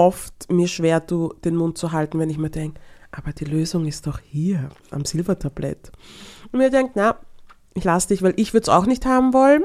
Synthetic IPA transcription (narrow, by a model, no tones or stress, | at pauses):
ɔftmiːɐʃv̥eːɐduːd̥eːnmʊnt̚t͡suɦaltn̩vɛnɪçmaːdɛŋkəʔaːbɐd̥iːløːzʊŋɪstd̥ɔχhiːɐʔa̰mz̥ɪlvɐtʰablɛ̰tʊnmiːɐdɛŋk̚tna | ʔɪçlasd̥ɪçvæɪlʔɪçv̥ʏɐdəsa̰ʊxnɪçthaːbm̩vɔln